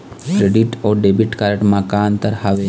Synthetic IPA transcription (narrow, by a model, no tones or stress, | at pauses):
kɾeɖiʈɔːɖebiʈkaɾəʈmakaːnt̪əɾhaʋe